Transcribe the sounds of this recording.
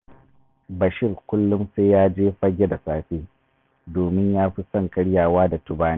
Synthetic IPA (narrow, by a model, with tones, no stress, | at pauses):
bɐ˨ʃɪ˦˨rkʷʊ˦lːʊ˦mseː˦jaː˦d͡ʒeː˦ɸɐ˦ɡʲe˦da˨saː˨ɸeː˦ | doː˨mɪ˦ɲjaː˦ɸi˦sɐ˦˨ŋkɐ˦ɽjaː˨waː˦da˨tʊ˦baː˦ne˦